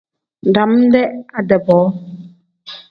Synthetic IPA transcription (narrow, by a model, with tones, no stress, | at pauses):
n˨da˨m̩˦dɛ˦ʔa˦˨dɛ˨bɔ˨˦